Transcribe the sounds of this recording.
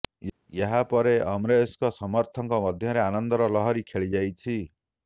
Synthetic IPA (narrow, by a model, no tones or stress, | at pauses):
jaɦapɔɾeamɾeeskɔsɔmɔɾt̪ʰɔŋkɔmʌd̪ʱjɔɾeanɔnd̪ɔɾɔlɔɦɔɾikʰeɭid͡ʒajt͡ʃʰi